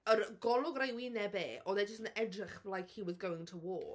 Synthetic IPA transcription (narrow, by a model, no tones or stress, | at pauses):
əɾɡɔlˠʊɡrejwinɛbeːʔɔðɛd͡ʒəstənɛdrɪχlˠajkhiwɪðɡowɪ̃ŋtʰəwɔː